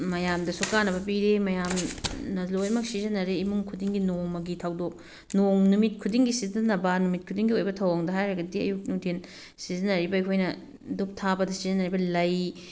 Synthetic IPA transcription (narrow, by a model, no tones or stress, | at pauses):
mɐjamdɐsukanɐbɐp̬iɾemɐjamnɐlojmɐk̚sizɐnɐɾeimuŋkʰudiŋɡinoŋmɐɡitʰawdok̚ | noŋnumit̚kʰudiŋɡisizɐnːɐbɐnumit̚kʰudiŋɡiojbɐtʰɐwaŋdɐɦajɾɐɡɐdiɐ̰juk̚nuŋtʰen | sizɐnːɐɾibɐikʰojnɐ | dup̚tʰabɐdɐsizɐnːɐɾibɐlɐj